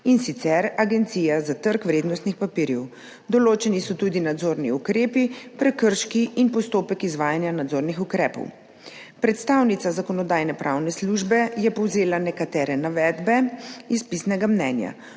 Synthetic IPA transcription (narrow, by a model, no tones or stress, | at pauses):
insit̪sɛɾaɡɛnt̪siːjazat̪əɾkʋɾeːd̪nɔst̪nixpapiːɾjɛw | d̪ɔloːt͡ʃɛnisɔt̪ud̪inad̪zoːɾniukɾeːpipɾɛkəɾʃkiʔinpɔst̪oːpɛkizʋaːjanjanad̪zoɾnixukɾɛːpɔ̰w | pɾɛt̪st̪awnit̪sazakɔnɔd̪aːjnɛpɾʔawnɛsluʒbɛjɛpɔwzeːlanɛkat̪ɛːɾɛnaʋɛːd̪bɛispisnɛɡamnɛnja̰